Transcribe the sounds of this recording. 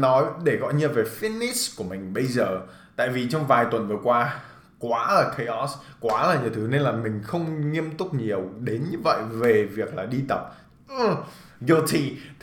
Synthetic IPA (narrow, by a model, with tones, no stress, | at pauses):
nɔ˨˦jɗe˧˩ɣɔ̰˧˨jɲɨ˧ve˨˩fi˦˥ni˦˥sku˧˩əmï˨˩ŋ̟ɓə˧jzəː˨˩ | t̪a̰ː˧˨jvi˨˩t͡ɕɔ˧wŋ͡mvaː˨˩jt̪wə˨˩nvɨ˨˩əkwaː˧ | kwaː˨˦laː˨˩kʰə˧jʔɔ˦˥skwaː˨˦laː˨˩ɲi˨˩əwt̪ʰɨ˨˦ne˧nlaː˨˩mï˨˩ŋ̟xə˧wŋ͡mŋi˧əmt̪ʊ˦˥k͡p̚ɲi˨˩əwɗe˨˦nɲɨ˧və̰˧˨jve˨˩vi˨˩ək̚laː˨˩ɗi˧t̪ə˨˩p̚ | ʔ | ɣə˧t̪ʰḭ˧˨